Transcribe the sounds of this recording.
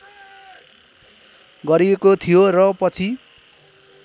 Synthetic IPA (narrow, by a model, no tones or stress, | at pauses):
ɡʌɾiekot̪ʰijorʌpʌt͡sʰi